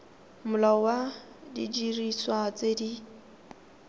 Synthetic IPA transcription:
mʊlawa | did͡ʒiriswat͡sedi

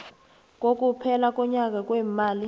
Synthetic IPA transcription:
k̬ʼok̬ʼupʰɛlak̬ʼɔɲak̬ʼak̬ʼwɛːmaːli

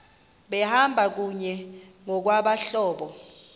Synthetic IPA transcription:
ɓɛhambʱak̬uɲɛŋɔk̬waɓaɬɔːɓɔ

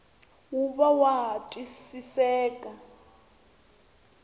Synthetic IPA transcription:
uβawaɦatʼisisɛːkʼa

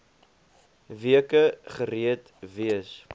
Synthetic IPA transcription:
viəkəχəɾiət | viəs

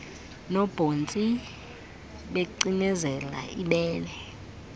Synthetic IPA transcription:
nɔb̥ʱont͡sʼi | ɓeǀinɛzɛla̰ʔiɓɛːlɛ

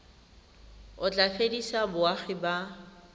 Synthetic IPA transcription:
ʊt͡ɬʼafedisabʊaχɪba

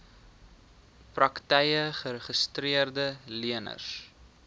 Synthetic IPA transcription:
prɐktɛjəχəɾəχəstriərdəliənə̰rs

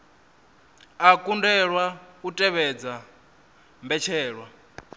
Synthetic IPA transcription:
akʼundɛɺwautʼɛβɛd͡za | mbɛt͡ʃʰɛːɺwa

